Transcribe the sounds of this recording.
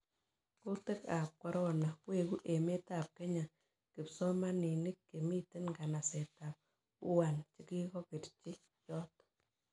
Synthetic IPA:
kʊ˦lte˦ka˨p̚kwa˦ɾɔ˦na˨kwe˨ku˦ʔe˨me˦ta˨p̚ke˦ɲa˨ | kɪ˨psɔ˦ma˦ni˨nɪ˦kːe˨mi˦te˦nɡa˨na˨sɛ˨ta˨p̚ | u˦wa˨nt͡ʃɪ˦ki˦kɔ˦ke˨tt͡ʃɪ˦ | jɔ˦t

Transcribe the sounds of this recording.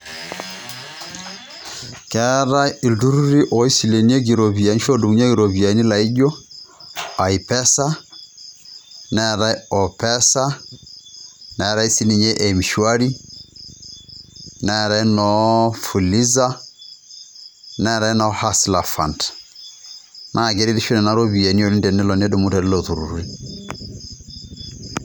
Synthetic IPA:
kɛ˦ɾa˦i˨ldu˦ɾu˦ɾi˦ʔɔ˨˦i˦si˨le˨ni˦e˦ɡi˨ɾo˨βi˨a˨˦ni˦ʃo˦du˨mu˦ɲ˦a˦ɡi˨ɾo˨βi˨a˨˦ni˦la˨i˦d͡ʒo˦ | a˨i˨pɛ˦sa˦ | nɛ˦˨ɾa˦i˦ɔ˨pɛ˦sa˦ | nɛ˨ɾa˦i˦si˦ni˨ɲe˦ʔe˨mi˨ʃwa˦ɾi˦ | na˦˨ɾa˨˦i˦nɔ˦fu˨li˦za˦ | na˦˨ɾa˨˦i˦nɔ˦ha˦sla˨fa˨nd | nʔa˦˨ɡe˨˦ɾi˦ði˦ʃo˦nɛ˨na˨˦ɾo˦βi˨ɛ˨ni˦o˨li˦ndɛ˨nɛ˦lɔ˨n˦du˦mu˦tɛ˨ɾi˦lo˨tu˨ɾṵ˨ɾu˨ɾi˦

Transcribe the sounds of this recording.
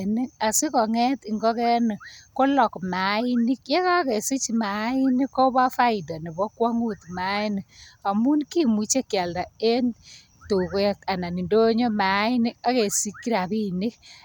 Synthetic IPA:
ni˦a˨si˦kɔ˨ŋɛ˦ti˨ŋɡɔ˦kɛ˦nɪ˨ko˦lɔ˨kma˨ɪ˦ni˦kje˦ka˦ke˨si˦t͡ʃma˨˦i˦ni˦kːo˦ba˦fa˦ɪ˨dɔ˨ni˨bɔ˦kwa˦ŋu˦tma˦i˦ni˨a˨mu˦nki˦mu˨t͡ʃe˦kja˨lda˨e˦n | tu˨kka˨na˨ni˨ndo˦ɲo˦ma˨˦i˦ni˦ka˦ke˨si˦kːi˦ɾa˨pi˦ni˦k

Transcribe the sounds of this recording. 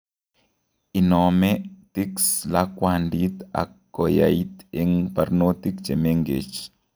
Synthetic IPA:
i˨nɔ˨mɛ˦ti˦ksla˦kwa˨ndi˦t̪a̰˨kːɔ˨ja̰˨i˦t̪e˦ŋpa˨ɾno˦t̪i˦kd͡ʒe˨me˦ŋɡḛ˨t͡ʃ

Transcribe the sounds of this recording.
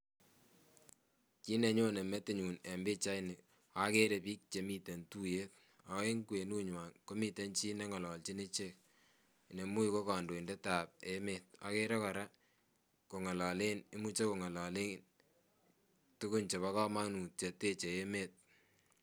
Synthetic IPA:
t͡ʃi˦ne˨ɲo˦ne˨me˦tɪ˦ɲu˨ne˨mbɪ˦t͡ʃa˦jnɪ˨ | a˦ke˦ɾe˨piː˦k̚t͡ʃe˨mi˦te˨ntu˦je˦t̚ | a˨we˦ŋkwe˨nu˦ɲwa˨nko˦mi˦te˦nt͡ʃi˦nɛ˦ŋɔ˨lɔ˨lt͡ʃi˦ne˦t͡ʃe˦k̚ | ne˨mu˦i˨ko˦ka˨ndo˨i˨ndɛ˦taː˨p̚eme˨t̚a̰˨˦ke˦ɾe˦kɔ˨ɾa˦ | ko˨ŋɔ˨lɔ˨le˦nɪ˦mu˦t͡ʃe˦ko˨ŋɔ˨lɔ˨le˦n | tu˦kʊ˦nt͡ʃe˨βa˦kɔ˦ma˦nu˨t͡ʃe˨te˦t͡ʃe˨e˦me˦t̚

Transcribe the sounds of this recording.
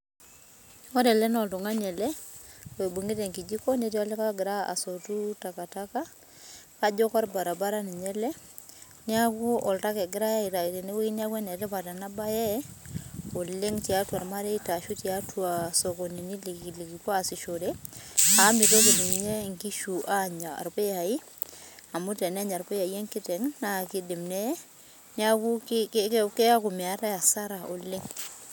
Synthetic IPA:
ɔ˦ɾɛ˨lɛ˦nɔ˨ltu˨ŋa˦ɲɛ˨lɛ˦we˨bu˨ŋɡɪ˦tɛ˨ŋki˨d͡ʒi˦kɔ˦ne˦ti˦a˦lɛ˦ka˦ɡɪ˨ɾa˦a̰˨so˨tu˦ta˨ka˨ta˦ka˦ | ka˦d͡ʒɔ˦kɔ˦ɾba˨ɾa˨ba˦ɾa˦ni˨ɲɛ˦lɛ˦ | ni˦a˦ku˦ɔ˨lta˦kɛ˨ɡɪ˦ɾa˦i˨ta˨i˨te˨ne˦we˦i˦ni˦a˦kwɛ˦nɛ˨tɛ˦pa˨ta˨na˦ba˦jɛ˦ | o˨lɪ˦ŋti˨a˦twa˨ɾma˦ɾɛ˦i˦ta˨ʃu˦ti˨a˦tʰwa˨sɔ˨kɔ˨ni˨ni˦lli˨ki˨ka˦˨si˨ʃo˨dɛ˦a˨˦mi˨tɛ˦k̬e˨ni˨mɲɛ˦ŋki˦ʃu˨ʔa˦ɲa̰˨ɾpe˦a˨i˦ | a˨mu˦tɛ˨nɛ˦ɲa˨ɾpɛ˦ja˨jɛ˦ŋkɪ˦tɛ˨ŋna˦kɪ˦dɪ˨mnɛ˦ | nɪ˦a˦ku˦kkkɛ˦a˦ku˨mi˨a˨ta˦ja˨sa˦ɾa˨ʔo˨lɪ˦ŋ

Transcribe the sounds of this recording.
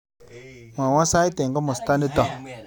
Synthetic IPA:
ma˨wã˦sa˦i˦te˨ŋɡɔ˦mʊ˨sta˦ni˦tɔ˨

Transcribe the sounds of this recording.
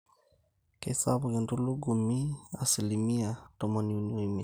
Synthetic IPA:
ke˨sa˦βu˨ki˨ntu˦lu˦ɡu˨mi˦a̰˨si˨li˨mi˦a˨tɔ˨mɔ˨niu˨nwi˨mi˨

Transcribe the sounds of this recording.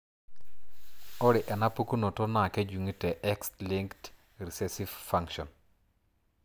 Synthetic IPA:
o˦ɾɪ˨ʔɛ˨na˦pu˦ku˦no˨to˦na˨kɛ˦d͡ʒu˨ŋi˦tɛ˨ʔɛ˦ksli˦ŋkt | ɾi˨sɛ˦si˦vfa˦ŋʃɔ˨n

